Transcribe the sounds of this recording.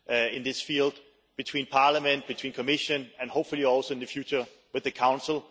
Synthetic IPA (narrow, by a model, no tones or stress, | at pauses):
ʔɪ̃nðɪsfilˠd̚ | b̥ɨtʰw̥ĩnpʰɑɹləmɨ̃nb̥ɨtʰwĩːnkʰɔmɪʃɨ̃nɨ̃nhoʊpfəlˠiɔlˠsoʊɪ̃nðɨfjʉt͡ʃə˞ | wɨðɨkʰãʊ̃nsl̩ˠ